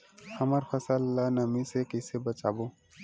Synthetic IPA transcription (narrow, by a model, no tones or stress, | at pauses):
həməɾpʰəsəlːanəmisekesebət͡ʃa̰bo